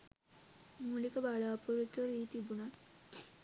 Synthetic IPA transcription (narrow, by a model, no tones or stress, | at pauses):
mulikəbaɭaːpuɾut̪əɾiːt̪ibuna